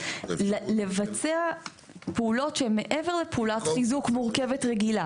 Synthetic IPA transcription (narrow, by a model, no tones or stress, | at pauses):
le̞vat͡sea | peulo̞tʃeemːeʔeveʁlepeulatχizukmuʁkevetʁeɡila